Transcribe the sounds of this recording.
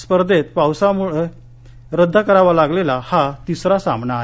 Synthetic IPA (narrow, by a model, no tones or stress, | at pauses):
spəɾd̪ʱet̪̚pawsamuɭe | ɾəd̪ʱːakəɾaʋalaɡlelahat̪isɾasambnaɦ